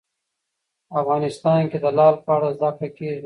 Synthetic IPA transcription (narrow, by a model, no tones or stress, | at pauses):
afɣɑːnɪst̪ɑnked̪əlɑːlpəaɽazakakeːʒ